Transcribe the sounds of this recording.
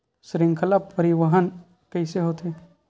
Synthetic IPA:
sɾɪ̃ŋkʰəlapːəɾiʋəɦən | kəɪseɦoːt̪ʰeː

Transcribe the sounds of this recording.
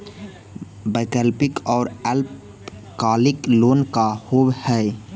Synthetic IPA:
bəːkəlpɪkɔːɾɛlp | kaːlɪkloːnkahoːwhɛː

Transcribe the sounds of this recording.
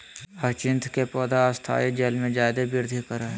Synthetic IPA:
ɐt͡ʃɪ̃nt̪ʰkepɔːd̪aːst̪ʰa̰ːjed͡ʒeːlmẽd͡ʒaːd̪ebɪɾd̪ʱikəɾaɛ

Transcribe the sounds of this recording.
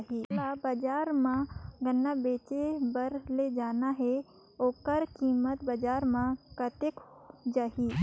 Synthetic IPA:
ɦilabəd͡ʒaːɾmãɡənːabeːt͡ʃebəɾled͡ʒaːnaɦɛ | oːkəɾkiːmət̪bəd͡ʒaːɾmãkət̪ekd͡ʒaːɦiː

